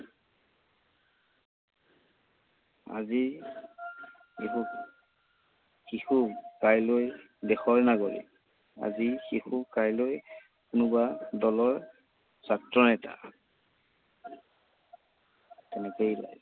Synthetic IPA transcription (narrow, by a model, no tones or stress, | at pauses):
a̰zi | ixuk | xixukajloj | dɛxɔɹnaɡɔlḭ | a̰zixixukajloj | kʊnʊbadɔlɔɹ | satɹɔnɛta̰ | tɛnɛkejla̰j